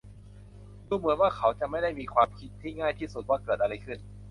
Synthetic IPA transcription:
ɾuː˧mɯ˩˦ənwaː˥˩kʰa˦˥wt͡ɕa˨˩ʔma˥˩jda˥˩jmiː˧kʰwaː˧mkʰi˦˥t̪ʰːiː˥˩ŋaː˥˩jt̪ʰiː˥˩su˨˩waː˥˩kɤː˨˩t̪ʔa˧ɾa˧jkʰɯ˥˩n

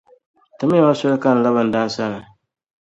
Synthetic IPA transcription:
tɨ˨˦m˦a˦ma˦sʊ˦ɾɨ˦ka˦n̩˨la˦bɨ˨n̩˨da˦n˦sa˦nɨ˨

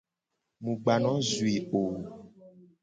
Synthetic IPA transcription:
mũ˨ɡ͡ba˨nɔ̃˨˦zu˨i˨o˨

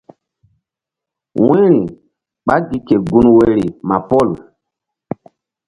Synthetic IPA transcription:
wɛ̃˦ɾi˨ | ɓa˦ɡi˨ke˨ɡu˨nwe˨ɾi˨ma˨pɔ˦˨l

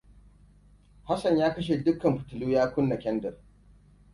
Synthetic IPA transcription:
ha˦sɐ˨ɲjaː˦kɐ˦ʃ̬e˨dʊ˦kːɐ˨mɸʊ̥˨tʊ˨luː˦jaː˦kʷʊ˦nːɐ˨kʲɛ˦ndɐ˨r

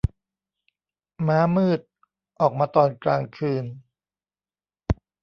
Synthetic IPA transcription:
maː˦˥mɯː˥˩t̪̚ | ʔɔː˨˩k̚maː˧t̪ɔː˨˩nklaː˧ŋkʰɯː˧n

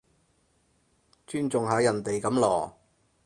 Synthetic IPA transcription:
t͡ʃyː˥nt͡sʊ˨ŋɦaː˨˧˥jɐ˨˩nt̪e˨jkɐ˨˧˥mlɔː˨˩

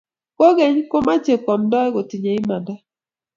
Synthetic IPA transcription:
ko˦ɣɛ˨ɲ˦ko˦ma˦t͡ʃe˨kɔ˨m̩˨˦dɔ˦ɛ˦ɡo˨ti˨ɲe˨i˦ma˨nda˦

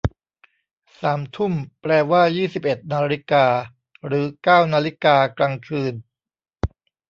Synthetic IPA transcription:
saː˩˦mt̪ʰu˥˩mpɾɛː˧waː˥˩jiː˥˩si˨˩p̚ʔe˨˩t̪̚naː˧ɾi˦˥kaː˧ | ɾɯː˩˦kaː˥˩wnaː˧li˦˥kaː˧kɾaː˧ŋkʰɯː˧n

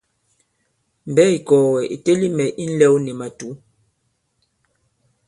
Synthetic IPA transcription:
m̩˨bɛ˦i˨kɔː˨wɛ˨ʔḛ˨te˦li˦mɛ˨ʔi˦n̩˦lɛ˦wnɛ˨ma˨tu˨˦

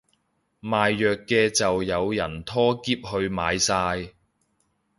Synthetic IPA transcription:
maː˨jːœː˨kːɛː˧t͡sɐ˨wjɐ˨˧wjɐ˨˩nt̪ʰɔː˥kiː˥p̚hɵ˧ɥmaː˨˧jsaː˧j

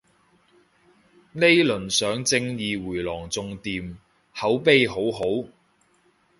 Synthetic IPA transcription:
le˥jlɵ˨˩nsœː˨˥ŋt͡sɪ˧ŋjiː˨˧wuː˨˩jlɔː˨˩ŋt͡sʊ˨˧ŋt̪iː˨˧m | hɐ˨˥wpe˥jɦo˨˥wɦo˨˥w

